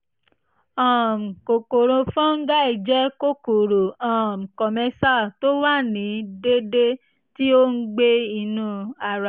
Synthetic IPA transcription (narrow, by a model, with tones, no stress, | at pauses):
ɔ̃˨m˨ko˨ko˨ɾõ˧fɔ̃˦ŋ̩˦ɡa˦i˨d͡ʒɛ˦ko˦ko˨ɾo˨ɔ̃˨m̩˨kɔ˨mɛ˧sa˦˨to˦wa˦˨nĩ˨˦de˦de˦ | ti˦o˦ŋ̩˦ɡ͡be˦i˧nũ˧˦a˨ɾa˨